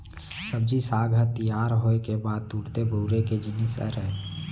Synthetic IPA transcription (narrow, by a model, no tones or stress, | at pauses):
səb̚d͡ʒisaːɡʱət̪ijaːɾɦoːekebaːd̪̚t̪uːɽt̪ebuːɾeked͡ʒɪnɪsə̰ɾɛ